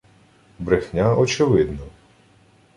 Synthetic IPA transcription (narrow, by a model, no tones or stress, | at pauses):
bɾɪxnʲaɔt͡ʃɪʋɪd̪nɔ